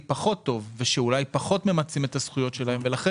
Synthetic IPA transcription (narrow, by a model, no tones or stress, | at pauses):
paχo̞t̪ːo̞vveʃeulajpaχo̞t̪me̞mat͡simet̪asχujo̞tʃe̞laɦe̞mve̞laχe